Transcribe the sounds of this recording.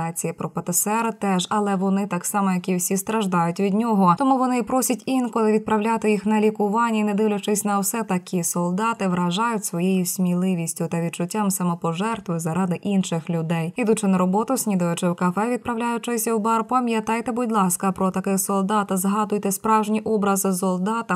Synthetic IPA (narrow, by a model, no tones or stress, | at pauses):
ɑt͡sʲijipɾɔpɐt̪ɪsɛɾt̪ɛʒɐlˠɛʋɔnɪt̪ɑksɑmɔjɐkʲiwsʲist̪ɾɐʒd̪ɑjʊtʲʋʲid̪nʲɔɦɔt̪ɔmuʋɔnɪipɾɔsʲɐtʲinkɔlˠɪʋʲid̪̚pɾɐwlʲat̪ɪjixnɐlʲikʊʋɑnʲːiinɛd̪ɪʋlʲʊt͡ʃɪsʲnɐwsɛt̪ɐkʲʰisɔlˠd̪ɑt̪ɪʋɾɐʒɑjʊtʲsʋɔjejʊsʲmʲilˠɪʋʲisʲtʲʊt̪ɐʋʲid̪t͡ʃʊtʲːamsɐmɔpɔʒɛrt̪ʋɪzɐɾɑd̪ɪʔinʃɪxlʲʊd̪ɛjid̪ʊt͡ʃɪnɐɾɔbɔt̪ʊsʲnʲid̪ɐjʊt͡ʃɪwkɐfɛʋʲid̪̚pɾɐʋlʲajʊt͡ʃɪsʲɐwbɑrpɐmjɐt̪ɑjt̪ɛbʊdʲlˠɑskɐpɾɔt̪ɐkɪxsɔlˠd̪ɑt̪ɐzɦɑd̪ʊjt̪ɛspɾɑwʒnʲiʔɔbɾɐzɪsɔlˠd̪ɑt̪ɐ